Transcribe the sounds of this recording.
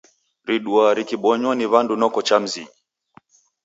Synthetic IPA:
ɾiɗuaɾikiɓɔɲwɔniβandunɔkɔt͡ʃam̩ziɲi

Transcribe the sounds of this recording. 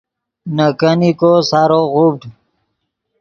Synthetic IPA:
nəkənikosaɾoɣub̚ɖ

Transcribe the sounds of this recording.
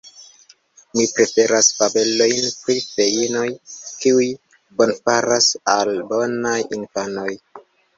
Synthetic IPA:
mipɾe̞fe̞ɾasfabe̞lo̞jnpɾife̞ino̞jkiuj | bo̞nfaɾasalbo̞najinfano̞j

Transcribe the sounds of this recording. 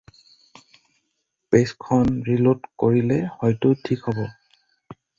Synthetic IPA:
peskʰɔnɹilotkoɹilɛhɔjtʊtʰikɦɔbɔ

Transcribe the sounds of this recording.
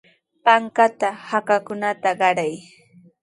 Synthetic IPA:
paŋkat̪ahakakʊnat̪aɢɑɾaj

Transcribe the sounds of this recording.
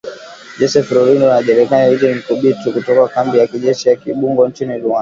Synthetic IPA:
d͡ʒɔsɛfɾɔɾindɔnaʄɛɾɛkaniitinim̩kuɓitukutɔkakambijakiʄɛʃijakiɓuŋɡɔnt͡ʃiniɾuan

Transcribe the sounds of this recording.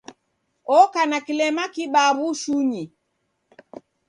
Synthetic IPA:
ɔkanakilɛmakiɓaβuʃuɲi

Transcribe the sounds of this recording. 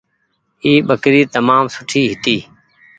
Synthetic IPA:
iːɓəkɾiːt̪əmaːmsʊʈʰiːɦɪt̪iː

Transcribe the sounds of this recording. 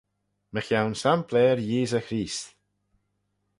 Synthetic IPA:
məxjawnsampʰlɛːɾjiːzəxɾiːst̪

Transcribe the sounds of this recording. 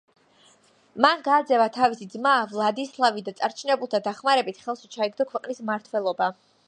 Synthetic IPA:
manɡaːd̪zɛvat̪ʰavisid̪zmaːvlˠad̪islˠavid̪at̪sʼaɾt͡ʃʰinɛbulˠt̪ʰad̪aχmaɾɛbit̪ʰχɛlˠʃit͡ʃʰaiɡd̪ɔkʰwɛqʼnismaɾt̪ʰwɛlˠɔba

